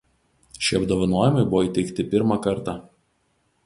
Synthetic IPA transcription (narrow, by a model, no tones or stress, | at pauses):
ʃʲiɐbd̪oːʋɐnoːjɛmɐɪbʊʋoiːt̪ʲɛɪkt̪ʲɪpʲɪɾmɑkɐɾt̪ɑ